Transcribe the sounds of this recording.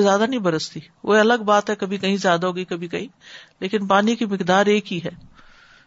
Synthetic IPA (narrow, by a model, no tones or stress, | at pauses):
zjaːd̪anĩbɐɾəst̪i | o̰eɐləɡbaːt̪ɦɛkɐbʱikɐɦĩzjaːd̪aɦoːɡikɐbʱikɐɦĩleːkɪnpaːnikimɪkd̪aːɾeːkɦiɦɛː